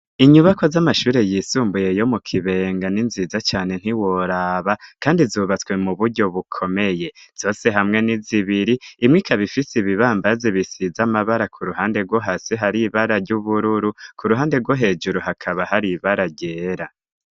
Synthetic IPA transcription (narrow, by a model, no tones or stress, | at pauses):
iɲuβako̞zamaʃuːɾe̞jisuːmbuje̞jo̞mukʰiβe̞ːŋɡaninzizat͡ʃaːne̞n̥hiwoɾaβakaːndizuːβat͡swe̞muβuɾɟo̞βukʰo̞me̞je̞z̥o̞ːse̞ɦamŋe̞niziβiɾiːmŋikaβifisiβiβaːmbaziβisizamaβaɾakʰuɾuɦaːnde̞ɾɡwoɦasiɦaɾiβaɾaɾɟuβuɾuɾukʰuɾuɦaːndeɾɡwoɦe̞d͡ʒuɾuɦakʰaβahaɾiβaɾaɟe̞ːɾa